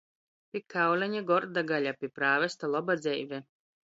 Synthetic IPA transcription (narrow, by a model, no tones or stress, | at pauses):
pʲikawlʲaɲaɡɔɾd̪aɡaʎʲapʲipɾaːvɛst̪alˠɔbad̪zɛjvɛ